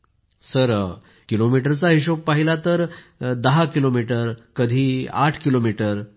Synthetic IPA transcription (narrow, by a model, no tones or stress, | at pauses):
səɾ | kilomiʈəɾt͡saɦiɕok̚paɦilat̪əɾd̪əɦakilomiʈəɾkəd̪ʱiːa̰ʈʰkilomiʈəɾ